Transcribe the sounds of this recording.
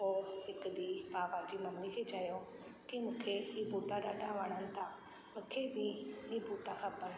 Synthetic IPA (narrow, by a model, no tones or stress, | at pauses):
oːɦɪkd̪ipaːʋad͡ʑimɐmnikʰet͡ɕajõ | kimũːkʰeɦibuːʈaɗaːɖʱaʋəɽ̃ənɪ̆t̪ʰa | mũːkʰebĩibuːʈaxʰɐpən